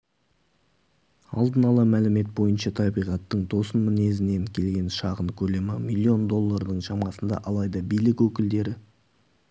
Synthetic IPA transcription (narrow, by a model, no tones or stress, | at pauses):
ɑ̰lˠd̪ənɑlˠɑmælɪme̞t̪̚bo̞jənʃɑt̪ʰɑbijʁɑt̪ːəɴt̪ʰo̞sənmɪne̞zɪne̞ŋkʲʰe̞lɡʲe̞nʃɑʁənkʲʰɵle̞mɪmilʲːio̞nd̪o̞lˠːɑɾd̪əɴʃɑmɑsənd̪ɑ̰ʔɑlˠɑjd̪ɑbijlɪkwɵkʲɪld̪e̞ɾɪ